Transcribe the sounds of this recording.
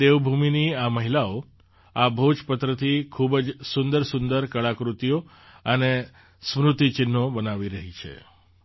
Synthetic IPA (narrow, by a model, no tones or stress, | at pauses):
eʋbʱuminiaməɦilao | abʱod͡ʒpət̪ɾət̪ʰikʰubd͡ʒsʊnd̪əɾsʊnd̪əɾkəɭakɾut̪ijo | əne | smɾut̪it͡ʃɪnːobənaʋiɾəɦit͡ʃʰḛ